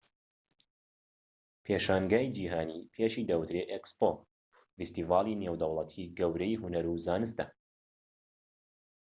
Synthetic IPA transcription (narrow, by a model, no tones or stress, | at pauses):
pʰeʃaːŋɡaːjd͡ʒiːɦaːniːpʰeʃiːd̪ɐwt̪ɾeʔekspo | vist̪iːvaːlˠineːwd̪ɐwlˠɐt̪ʰiɡɐwɾɛjɦunɐɾuzaːnɨst̪ɐ